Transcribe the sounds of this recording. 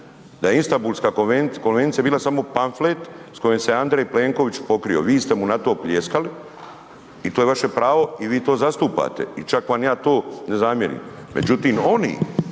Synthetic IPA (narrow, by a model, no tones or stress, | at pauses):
d̪aje̞inst̪ambuːlˠskaːkonʋenko̞nʋe̞nt̪sijabiːlasamo̞panflet̪sko̞jemseand̪ɾejpleːŋko̞ʋit͡ʃpo̞kɾio̞̰ʋiːst̪e̞munat̪o̞ːplʲjeskali | it̪oːje̞ʋaʃe̞pɾaːʋo̞iʋiːt̪o̞ːzast̪uːpa̰t̪e̞̰it͡ʃakʋamjaːt̪o̞ːne̞zamjeɾḭm | mḛd͡ʑut̪iːmo̞nḭː